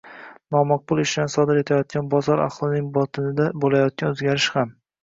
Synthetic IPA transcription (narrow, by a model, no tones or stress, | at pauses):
nɒmɑq̚bʊlˠɪʃd̪ansɒd̪ɪɾe̞t̪ʰajɒt̪̚kʲanbɒzɒɾa̰χlˠɪnɪŋbɒt̪ʰɪnɪd̪abolajɒt̪̚kʲanɵzɡʲaɾɪʃham